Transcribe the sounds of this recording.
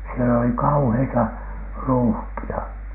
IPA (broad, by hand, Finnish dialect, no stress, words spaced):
siel oli kɑuheitɑ ruːhkiɑ